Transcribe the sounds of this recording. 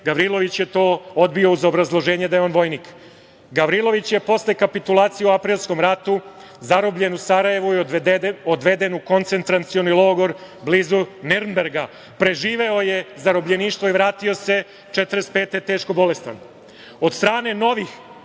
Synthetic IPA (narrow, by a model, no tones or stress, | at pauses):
ɡaʋɾilˠo̞ʋit͡ɕjet̪o̞ːod̪bio̞uzo̞bɾazlˠo̞ʒe̞ːɲed̪ajeonʋo̞jniːk | ɡaʋɾilˠo̞ʋit͡ɕjepo̞slekapit̪ulˠaːt̪sijeuapɾiːlˠsko̞mɾat̪u | zaɾobʎe̞nusaɾaje̞ʋu | od̪ʋe̞d̪e̞nuko̞nt̪se̞nt̪ɾant̪sio̞nilˠo̞ːɡo̞ɾ | bliːzuneɾmbeɾɡa | pɾe̞ʒiːʋe̞oje̞zaɾobʎeniːʃt̪ʋo̞iʋɾaːt̪io̞se̞ | t͡ʃet̪ɾespe̞ːt̪et̪eːʃko̞bo̞le̞st̪a̰n | o̞d̪st̪ɾaːne̞no̞ʋix